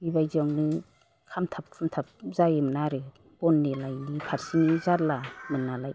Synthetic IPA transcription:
bibajzɔŋnɯ | kʰamtʰap̚kʰɯmtʰap̚zajɯmnaɾɯ | b̥ɔnːelajnipʰaɾsinizaɾlamɯnːalaj

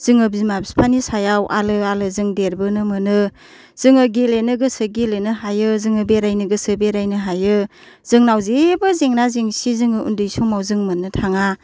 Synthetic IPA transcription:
z̥ɯŋɯbizmabspʰanisajawʔa̰lɯalɯzɯŋdeɾbɯnɯmɯnɯ | z̥ɯŋɯɡelenɯɡɯsɯɡelenɯɦajɯzɯŋɯbeɾajnɯɡɯsɯbeɾajnɯɦajɯ | z̥ɯŋnawzebɯzeŋnaziŋsizɯŋɯṵndɯjsɔŋmawzɯŋmɯnɯtʰaŋa

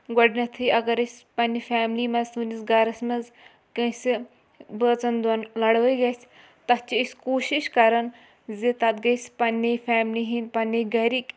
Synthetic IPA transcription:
ɡɔɽnʲɐt̪ʰɨjɐɡɐɾɐsʲpɐnʲifaːmliːmɐzsunisɡɐɾɐsʲmɐz | kɐsʲi | bəːt͡sɐnd̪ɐnlɐɽʋɐjɡɐsʲ | t̪ɐt͡ʃiisʲkoːʃiʃkɐɾɐn | zet̪ɐt̪ɡɐsʲpɐnʲːefʲaːmliɦinʲpɐnʲːeɡɐɾik

